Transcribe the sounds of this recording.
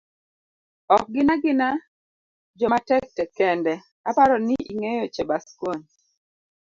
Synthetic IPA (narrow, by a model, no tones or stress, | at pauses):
ɔk̚ɡɪnaɡɪna | d͡ʒɔmatɛk̚tɛkɛndɛ | apaɾɔniḭŋejot͡ʃɛbaskwon